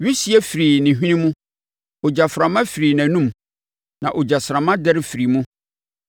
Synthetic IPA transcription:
ɥi˦si˦ɛ˦fɾi˨nɪ̃˨ɦᶣĩ˦nĩ˦mũ˦ | ɔ˨d͡ʑa˨fɾã˨mã˦fi˨ɾiː˨næ̃˨nũ˦m | nã˨ʔɔ˨d͡ʑa˨sɾã˨mã˦dɛ˦ɾɪ˦fi˨ɾi˨mũ˦

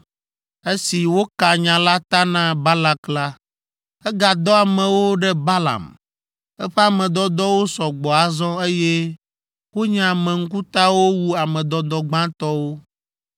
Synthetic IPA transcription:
e˦si˨wo˦ka˨ɲã˨la˦t̪a˦nã˦ba˦la˦kla˦ | ɛ˦ɡa˨d̪ɔ˦a˨mɛ̃˨wo˦ɖɛ˦ba˦la̰˨m | ɛ˦ɸɛ˦a˨mɛ̃˨d̪ɔ˦d̪ɔ˦wo˦sɔ˨ɡ͡bɔ˨a˨zɔ̃˦e˦je˦ | wo˦ɲã˨mɛ̃˨ŋ̩˦ku˦t̪a˦wo˦wu˦a˨mɛ̃˨d̪ɔ˦d̪ɔ˦ɡ͡bã˦t̪ɔ˦wo˦

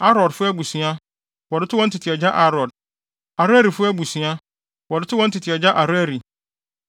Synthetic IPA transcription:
a˦ɾɔ˨dfʊ˦æ˦bu˨sĩ˨a˦ | wɔ˨dɪ˦tʰʊ˦wɔ˦n̩˦tʰɪ˨tʰɪ˨ɛ˨d͡ʑa˦ʔa˦ɾɔ˨d̚ | a˨ɾʊ˦æ˦ɾi˨fʊ˦æ˦bu˨sĩ˨a˦ | wɔ˨dɪ˦tʰʊ˦wɔ̃˦n̩˦tʰɪ˨tʰɪ˨ɛ˨d͡ʑa˦ʔa˨ɾæ˦ɾi˨

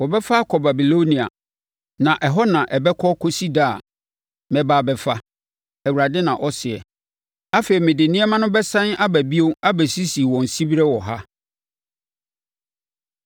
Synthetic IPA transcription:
wɔ˨bɛ˦fa˦kʰɔ˨ba˨bi˨lo˦nĩ˨a̰˨ | nã˨ʔɛ˨ɦɔ˦nã˨ʔɛ˨bɛ˦kʰɔ˦kʰɔ˦si˦da˦˨a̰˨ | mɛ̃˨baː˨bɛ˨fa˦ | ɛ˨wu˨ɾa˨dɪ˦nã˨ʔɔ˦sɪ˨ɛ˨ | a˦fe˨ɾi˨mẽ˨de˨nĩ˦ɛ˦mã˦nʊ̃˦bɛ˦sã˦na˦bæ˨bi˦o˦a˦bæ˨si˦si˨wɔ̃˨n̩˨si˦bi˦ɾɛ˦wɔ˨ɦa˦

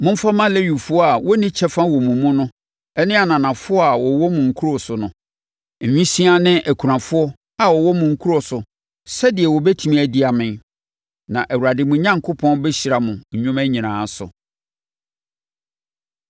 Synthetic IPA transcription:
mʊ̃˦m̩˦fa˦mã˦lɛ˦ɥu˨fʊ˦ɔ˦a˨wɔ˦nĩ˦t͡ɕʰɛ˦fã˦wɔ˨mũ˨mũ˦nʊ̃˦ | ɛ˦nɪ̃˦a˨nã˨nã˨fʊ˦ɔ˦a˨wɔ˨wɔ˦mʊ̃˨ŋ̩˨kʰu˦ɾɔ˨sʊ˨nʊ̃˨ | ɲᶣĩ˦sĩ˦a˦nɪ̃˦ʔæ˨kʰu˨ɾã˨fʊ˦ɔ˦ | a˨wɔ˨wɔ˦mʊ̃˨ŋ̩˦kʰu˦ɾɔ˨sʊ˨ | sɛ˦dɪ˨ɛ˨wɔ˨bɛ˦tʰi˨mĩ˦˨æ˨di˦a˨mɪ̃˦˨n | nã˨ʔæ˨wu˨ɾa˨dɪ˨mʊ̃˨ɲã˦ŋkʰo˦pʰɔ̃˦nbɛ˦ɕi˨ɾa˨mʊ̃˨ɲ̩˨ɲʊ̃˦mæ˦ɲĩ˨nãː˨˦sʊ̰˨

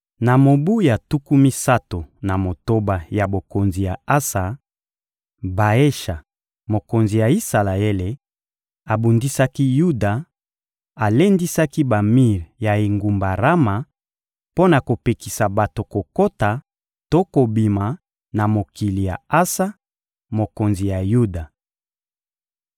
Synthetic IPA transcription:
na˨mo˨bu˦ja˨tu˦ku˦mi˦sa˦to˨na˨mo˨to˦ba˨ja˨bo˨ko˨nzi˨ja˨a˦sa˨ | ba˨e˦ʃa˨ | mo˨ko˨nzi˨ja˨i˦sa˨la˨e˦le˨ | a˨bu˨ndi˦sa˦ki˦ju˦da˨ | a˨le˦ndi˦sa˦ki˦ba˨mi˦˨ʁja˨e˨ŋɡu˨mba˨ʁa˦ma˨ | po˦na˨ko˨pe˨ki˨sa˨ba˨to˨ko˨ko˦ta˨ | to˦ko˨bi˨ma˨ | na˨mo˨ki˨li˨ja̰˨a˦sa˦ | mo˨ko˨nzi˨ja˨ju˦da˨

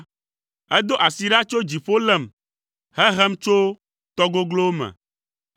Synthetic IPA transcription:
ɛ˦d̪o˦ʔa˨si˨ɖa˦t͡ʃo˦d͡ʑi˨fo˦lɛ˨m | hɛ˦ɦɛ˦mt͡ʃo˦ | t̪ɔ˦ɡo˦ɡlo˦wo˦mɛ̰̃˨

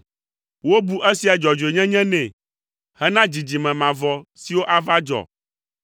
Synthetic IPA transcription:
wo˦bu˦ʔɛ˦si˨a˨d͡ʒɔ˨d͡ʒo˨e˨ɲɛ̃˦ɲɛ̃˦nɛ̃˨ | hɛ˦nã˦d͡ʑi˨d͡ʑi˨mɛ̃˨mã˨vɔ˨si˨wo˦ʔa˦va˦d͡ʒɔ̰˨

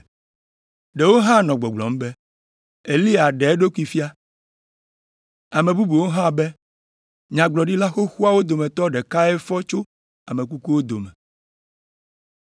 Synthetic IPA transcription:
ɖe˨wo˦ɦã˦nɔ̃˨ɡ͡bɔ˨ɡ͡blɔ̰˨m̩˦bɛ˦ | e˨li˦a˨ɖe˨˦ɖo˦ki˦fi˦a˦ | a˨mẽ˨bu˦bu˨wo˦ɦã˦bɛ˦ | ɲã˨ɡ͡blɔ˨ɖi˦la˦xo˦xu˦a˦wo˦d̪o˨mẽ˨t̪ɔ˦ɖɛ˨ka˦ɛ˦fɔ˦t͡ʃo˦ | a˨mẽ˨k̬u˦ku˦wo˦d̪o˨mɛ˨

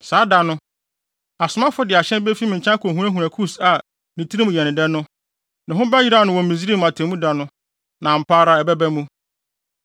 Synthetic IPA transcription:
saː˨˦da˨nʊ̃˦ | a˨sʊ˨˦mã˦fʊ˦dɪ˨a˨ɕɛ̃˦nbɛ˦fi˦mɪ̃˨ɲ̩˨t͡ɕʰã˦kʰo˨ɦũ˨˦ɾa˦ɦũ˨ɾæ̃˨kʰu˦sa˨ | nĩ˨tʰɾi˦mũ˨jɛ˨nɪ̃˨dɛ˦nʊ̃˦ | nɪ̃˨ɦʊ̃˦ba˦ji˦ɾa˦˨nʊ̃˨wɔ̃˨m̩˨mĩ˨zi˦ɾi˦m˨a˨tʰɛ̃˨mũ˦da˨nʊ̃˦ | nã˨m̩˨pʰaː˦ɾa˦ɛ˨bɛ˦bæ˦mũ˦

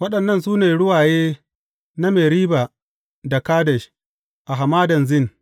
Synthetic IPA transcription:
wɐ˦ɗɐ˨nːɐ˦nsuː˦neː˨ɽʊ˦waː˨jeː˦ | na˦meː˨ɾiː˦ba˨ | da˨kaː˦dɛ˨ʃ | ʔa˨ɦa˨maː˦dɐ˨nzɪ˦˨n

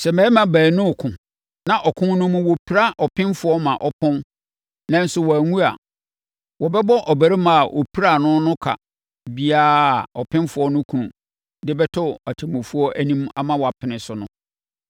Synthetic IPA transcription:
sɛ˨mɛ̃˦mã˨bæː˨˦nʊ̃˦˨kʰʊ̃˨ | nã˦ʔɔ˨kʰʊ̃˦nʊ̃˦mʊ̃˦wo˨pʰi˦ɾa˦ʔɔ˨pʰɪ̃˦mfʊ˦ɔ˦mã˨ʔɔ˦pʰɔ̃˦n | nã˦n˦sʊ˦wɔ˨æ˨ŋũ˦a̰˨ | wɔ˨bɛ˦bɔ˦ʔɔ˨bæ˨ɾi˦mã˨a˨ʔɔ̰˨pʰi˦ɾa˨nʊ̃˦nʊ̃˦kʰa̰˨ | bi˦a˦˨ɔ˨pʰɪ̃˦nfʊ˨ɔ˦nʊ̃˦kʰũ˨nũ˨ | dɪ˦bɛ˦tʰʊ˦a˨tʰɪ˨mʊ̃˨fu˦ɔ˦ʔæ˦nĩ˦ma̰˨mã˦wɔ˨a˨pʰɪ˨nɪ̃˨sʊ˨nʊ̃˦

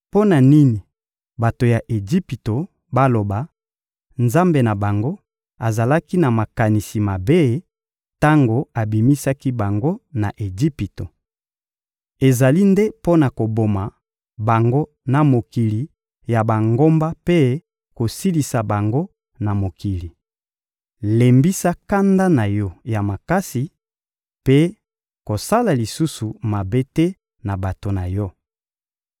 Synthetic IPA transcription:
po˦na˨ni˦ni˨ | ba˨to˨ja˨ʔe˨ɡi˦pi˨to˨ | ba˦lo˨ba˨ | nza˦mbe˨na˨ba˨ŋɡo˦ | a˨za˨la˦ki˦na˨ma˨ka˨ni˨si˨ma˨be˦ | ta˦ŋɡo˨a˨bi˨mi˦sa˦ki˦ba˨ŋɡo˦na˨ʔe˨ɡi˦pi˨to˨ | e˨za˨li˦nde˦po˦na˨ko˨bo˨ma˨ | ba˨ŋɡo˦ | na˨mo˨ki˨li˨ | ja˨ba˨ŋɡo˦mba˦pe˦ | ko˨si˦li˨sa˨ba˨ŋɡo˦ | na˨mo˨ki˨li˨ | le˨mbi˦sa˦ka˦nda˦na˨jɔ˦ja˨ma˨ka˦si˨ | pe˦ | ko˨sa˦la˨li˨su˦su˨ma˨be˦tɛ˦ | na˨ba˨to˨na˨jɔ˦

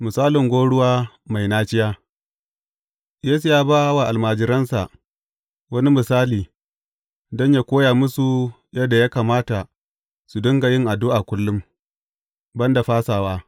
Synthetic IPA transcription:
mʊ˨saː˦lɪ˨ŋɡʷoː˦ɽʊ˦waː˦ | ma˨jnaː˦t͡ʃɪ˦jaː˦ | jeː˦su˨jaː˦baː˦wa˨ʔa˨lmaː˨d͡ʒɪ˨ɾɐ˦nsa˨ʔ | wɐ˦ni˦mɪ˨saː˦liː˨ | dɔ˦ɲja˦kʷoː˦jaː˨mʊ˦su˨ | jɐ˦dːa˨jaː˦kaː˨maː˦ta˨ | su˨dʊ˦ŋɡa˨jɪ˦ŋʔa˨dʊ˦ʔa˨kʷʊ˦lːʊ˦m | bɐ˦nda˨ɸaː˦saː˨waː˦

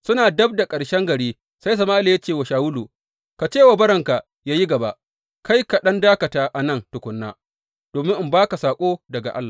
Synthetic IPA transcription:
sʊ˦naː˨dɐ˦b̚da˨kʼɐ˨ɽʃɛ˦ŋɡɐ˨ɽiː˦ | sa˦js̬ɐ˨maː˦li˨ja˦t͡ʃeː˦˨wa˨ʃaː˨wʊ˦luː˨ | ka˨t͡ʃeː˦˨wa˨bɐ˦ɾɐ˨ŋka˨ | jaː˦ji˦ɡɐ˨ba˦ʔ | ka˦jka˨ɗɐ˦ndaː˦kɐ˨taː˦ʔa˨nɐ˦˨ntʊ˨kʷʊ˨˦nːa̰ː˦ | d̥oː˨mɪ˦ŋʔɪ˨mbaː˦ka˨saː˨kʷʼoː˦dɐ˨ɡa̰˨ʔa̰˦lːaː˨

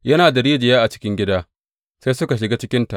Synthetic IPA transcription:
jɐ˦naː˨da˨ɾiː˦d͡ʒɪ˨jaː˦ʔa˨t͡ʃɪ̥˦kʲɪ˦ŋɡʲɪ˦daː˦ | sa˦jsʊ˦ka˨ʃ̬ɪ˨ɡaː˦t͡ʃɪ˦kʲɪ˦nta˨ʔ

